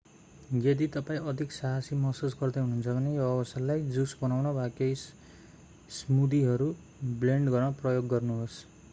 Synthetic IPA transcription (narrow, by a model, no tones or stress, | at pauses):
jed̪it̪ʌpaĩʌd̪ʱiksaɦasimʌsusɡʌrd̪eɦununt͡sʰʌbʱʌnejoʌbʌsalajd͡zusbʌnawnʌbʱakejs | smud̪iɦʌɾu | bleɳɖɡʌrnʌprʌjoɡːʌrnuɦos